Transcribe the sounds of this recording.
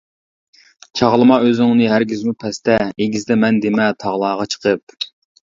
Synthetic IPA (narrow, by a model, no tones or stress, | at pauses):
t͡ʃʰɑʁlˠɨmɑøzɪŋnɨɦæɾɡʲyzmupʰɛst̪ɛeɡʲizd̪ɛmɛnd̪emɛt̪ʰɑʁlˠɑːʁɑt͡ʃʰə̥qʰəp̚